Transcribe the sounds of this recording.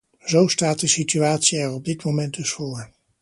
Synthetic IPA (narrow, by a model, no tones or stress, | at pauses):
zowstaːt̚dəsityaːtsiɛɹɔb̚dɪtmomɛnt̚dɵsfoːɹ